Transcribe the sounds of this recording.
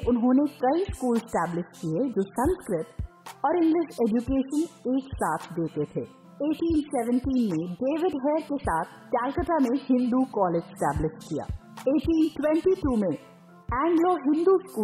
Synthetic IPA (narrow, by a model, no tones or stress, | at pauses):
ʔʊnɦõːnekɐiskuːlesʈæːblɪʃʈkied͡ʒoːsɐ̃nskɾɪt̪ | ɔːɾɪ̃ŋɡlɪʃeːd͡ʒukeːʃəneːksaːt̪ʰd̪eːt̪et̪ʰeː | eːʈiːnsɛʋə̃ɳʈiːnmẽɖeːʋɪɖɦɛjəɾkesaːt̪ʰt͡ʃaːlkəʈamẽhɪ̃nd̪ukɔːleːd͡ʒsʈæːblɪʃʈkija̰ːeːʈiːnʈwɛ̃ɳʈiʈuːmẽ | ɛ̃ːŋɡloɦɪ̃nd̪uskuː